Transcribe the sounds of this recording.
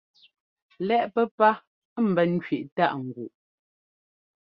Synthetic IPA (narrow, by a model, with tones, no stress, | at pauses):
lɛ˦˨ʔpɛ˦pa˦ | m̩˨bɛ˨n̩˦t͡ʃɥi˨ʔta˦˨ʔŋ̩˨ɡwu˨ʔ